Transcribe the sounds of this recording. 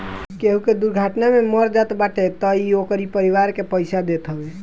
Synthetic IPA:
keɦũked̪uɾɡʱaʈnameməɾd͡ʒat̪baʈʰet̪əiokəɾipəɾiʋaɾkepəjsad̪et̪ɦəbɛ

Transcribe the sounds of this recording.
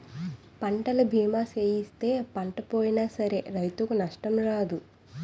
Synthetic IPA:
pɐɳʈɐlubʱiːmaːseːjist̪e̞ːpɐɳʈɐpoːjinaːsɐɾe̞ɾɐjt̪ukunɐʂʈɐmɾaːd̪u

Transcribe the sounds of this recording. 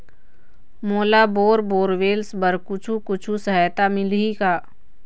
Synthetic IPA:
moːlaboːɾboːɾʋeːlsbəɾkʊt͡ʃʰukʊt͡ʃʰusəɦjt̪amɪlɦikaː

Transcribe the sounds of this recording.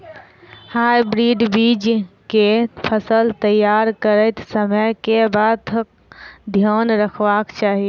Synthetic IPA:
hajbɾiɖbiːd͡ʒkepʰəsəlt̪əjaɾkəɾəɪt̪səməjkebaːt̪ʰək̚ | d̪ʱjoːnɾəkʰʋakt͡ʃaːɦi

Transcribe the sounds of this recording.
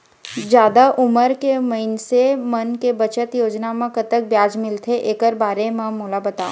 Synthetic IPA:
d͡ʒjaːd̪aʔʊməɾkemɐɪnsemɐnkebɐt͡ʃət̪joːd͡ʒnamẽkət̪ək̚bjaːd͡ʒmɪlt̪ʰeʔeːkəɾbaːɾemɛ̃moːlabɐt̪aːo

